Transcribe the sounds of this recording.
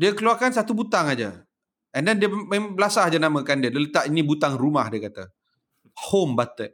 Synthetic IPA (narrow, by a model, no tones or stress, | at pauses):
diəkəluarkansat̪ubut̪aŋad͡ʒa | ʔəndandiəmɛbəlasahad͡ʒanamə̃kandiədələt̪aʔinĩbut̪aŋrumahdiəkat̪a | hombat̪əʔ̚